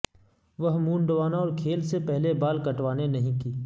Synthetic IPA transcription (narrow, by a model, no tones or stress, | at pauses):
ʋɐɦmũːɳɖəʋaːnaɔːɾkʰeːlsepɛɦlebaːlkɐʈʋaːnenɐɦĩkiː